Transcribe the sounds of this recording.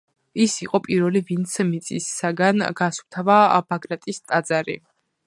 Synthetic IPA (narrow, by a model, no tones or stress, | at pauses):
isiqʼɔpʼiɾvɛlivint̪smit̪sʼisːaɡanɡaswt̪ʰavab̥aɡlat̪ʼist̪ʼad̪zaɾḭ